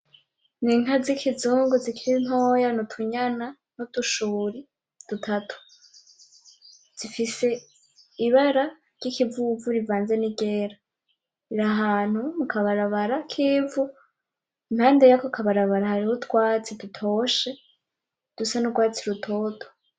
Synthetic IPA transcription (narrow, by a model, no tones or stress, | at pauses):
niŋɦazikʰizuːŋɡuzikʰiɾin̥ɦo̞ːjanutʰuɲana | nutuʃuːɾi | d̥utʰatʰu̥ | z̥ifise̞ | iβaɾa | ɾɟ̥ikʰivuvuɾivaːnze̞niɡeːɾa | iɾaɦaːn̥humukʰaβaɾaβaɾakʰiːvu | inhaːndejakokʰaβaɾaβaɾahaɾihotwaːt͡sidutʰoʃe̞ | d̥usanuɡwaːt͡siɾutʰo̞ːtʰo̥